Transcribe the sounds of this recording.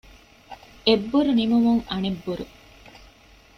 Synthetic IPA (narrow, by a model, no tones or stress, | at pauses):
ebːuɾunimumuŋɐnebːuɾṵ